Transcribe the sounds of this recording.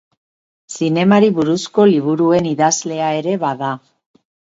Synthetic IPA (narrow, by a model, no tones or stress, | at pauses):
sine̞maɾiβuɾusko̞liβ̞uɾue̞niðazle̞ae̞ɾe̞βaða